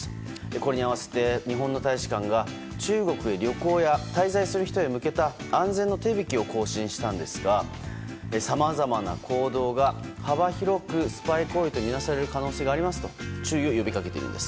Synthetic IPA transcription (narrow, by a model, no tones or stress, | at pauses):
eko̞ɾe̞ɲiaβase̞̥t̪e̞ɲ̟iɦõ̞nːo̞t̪aiɕi̥kãŋɡa | t͡ɕɨːɡo̞kɯ̟e̞ɾʲo̞ko̞ːjat̪aizaisɨɾɯ̟çi̥t̪o̞emɯ̟ke̞t̪aãnzẽ̞nːo̞t̪e̞ːbʲikʲio̞ko̞ːɕĩɰ̃ɕi̥t̪ãnd̪e̞sɨɡa | esamazamana̰kʰo̞ːd̪o̞ːɡahabaçiɾo̞kɯ̟sɨ̥paiko̞it̪o̞mʲinasaɾe̞ɾɯ̟kano̞ːse̞ːɡaːɾʲimasɨ̥t̪o̞t͡ɕɨːjo̞jobʲikake̞t̪ḛɾɯ̟̰nd̪e̞sɨ̥